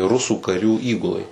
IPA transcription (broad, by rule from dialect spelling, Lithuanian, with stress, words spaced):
ˈrʊsuː kɐˈrʲuː ˈiːɡʊlˠɐɪ